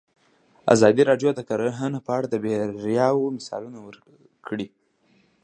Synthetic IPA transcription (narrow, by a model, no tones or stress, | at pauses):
a̰zɑd̪iɾɑɖjod̪əkaɾəɦanapəaɽad̪əbeɾjɑwmɪsɑ̰lunawəɾ | kɽi